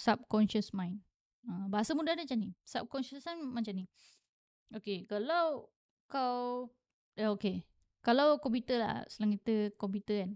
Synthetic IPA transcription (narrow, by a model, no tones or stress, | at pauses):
sap̚kɔnʃəsmãjn | abaɦasəmudahdat͡ʃanisap̚kɔnʃəsanmat͡ʃani | okekalaw | kaw | əoke | kalawkɔmput̪əla̰səlaŋit̪əkɔmpit̪əan